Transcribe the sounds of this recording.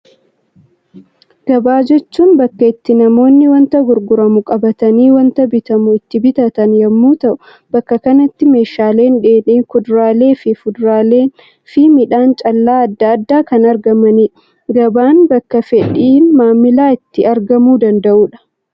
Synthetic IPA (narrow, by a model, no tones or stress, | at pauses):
ɡ̥ɐbaːd͡ʒɛt͡ʃːuːnbɐkːɐɪt̪ːɪnɐmo̞ːnːɪwɐnt̪ɐɡʊɾɡʊɾɐmʊkʼɐbɐt̪ɐniːwɐnt̪ɐbɪt̪ɐmʊɪt̪ːɪbɪt̪ɐt̪ɐnjɐmːuːt̪ɐʔʊ | b̥ɐkːɐkɐnɐt̪ːɪme̞ːʃaːle̞ːnᶑeːᶑeːŋkʊd̪ʊɾaːle̞ːfɪfʊd̪ʊɾaːle̞ːn | fɪmɪᶑaːnt͡ʃʼɐlːaːɐd̪ːɐːd̪ːaːkɐnɐɾɡɐmɐni | ɡɐbaːnbɐkːɐfɛᶑiːnmaːmːɪlaːɪt̪ːɪɐɾɡɐmuːd̪ɐnd̪ɐʔuːᶑɐ̥